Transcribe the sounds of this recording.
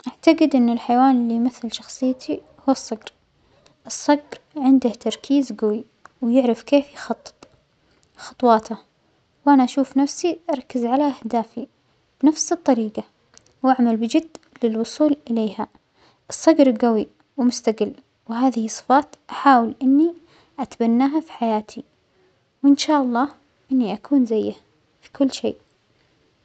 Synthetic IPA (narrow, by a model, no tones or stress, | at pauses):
ʔaʕt̪aɡɪd̪ʔɪnːɪlħajwaːnɪlːijmaθːɪlʃɑxsˤɨjːt̪ʰi | hʊwɑsˤːɑɡɾ | ʔɨsˤːɑɡɾʕɪnd̪aht̪ɑɾˤkʰiːzɡawi | wjɪʕɾɪfkeːfjxɑt̪ˤːɨ̥t̪ˤ | xɑ̥t̪ˤwɑːt̪a | wʔanaʔaʃuːfnafsiʔɑɾˤkːɪzʕalaʔahd̪aːfi | b̥ɪnafsɨt̪ˤːɑɾiːɡa | wʔaʕmalbɪd͡ʒɪd̪ːlɪlwʊsˤuːlʔɪleːha | ʔɨsˤːɑɡɾɡawi | wmʊst̪aɡɪlː | wɦaːðɪhɨsˤːɨ̥fɑːt̪ʔaħaːwɪlʔɪnːi | ʔat̪banːaːɦafi̥ħajaːt̪ʰi | wɪnʃaːʔɑlˤːɑː | ʔɪnːiʔakʰuːnzajːa | fi̥kʊlːʃḛːʔ